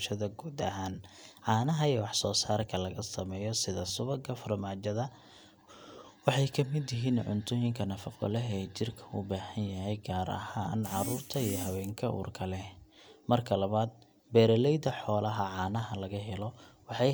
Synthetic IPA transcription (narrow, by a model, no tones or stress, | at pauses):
ʃɐðɐɡuːd̪ɐɦaːnʕɑːnɐɦɐijɔwɑħsɔːsaːrkʰɐlɐɣɐsɐmɛːjɔsɪðɐsʊβɐɡʰɐfɐrmaːd͡ʒɐðɐ | wɑħɑjkʰɐmɪd̪jɪɦiːnʕʊ̰nt̪ʰʊjɪŋkʰɐnɐfɐqɔ̰lɛɦɛːt͡ʃɪrkʰɐ̥ṵːbaːhɐnjɐɦɛjɡaːɾɐ̰haːnʕɑɾuːrt̪ʰɐijɔɦɐwɛːŋkʰɐʔṵːrkʰɐlɛ | mɐrkʰɐlɐβaːd̪̚ | bɛːɾɐlɛjd̪ɐħɔːlɐɦɐʕɑːnɐɦɐlɐɣɐɦɛlɔwɑħɑj